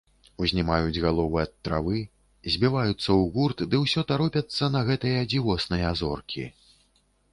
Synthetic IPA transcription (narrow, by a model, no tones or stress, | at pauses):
uzʲnʲimajud͡zʲɣalˠɔvɨɐt̪ːɾavɨ | zʲbʲivajut̪sːɐwɣurt̪d̪ɨwsʲɔt̪aɾɔpʲɐt̪sːɐnɐɣɛt̪ɨjɐd͡zʲivɔsnɨjɐazɔrkʲḭ